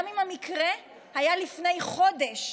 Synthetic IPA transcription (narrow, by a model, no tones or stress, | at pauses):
mimhamikʁe | hajalifne̞jχo̞de̞ʃ